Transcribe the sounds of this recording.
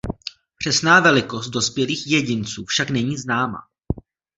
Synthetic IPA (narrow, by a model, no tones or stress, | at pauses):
pr̥ɛsnaːvɛlɪko̞st̪̚do̞spjɛliːxjɛɟɪnt͡suːfʃaknɛɲiːznaːma̰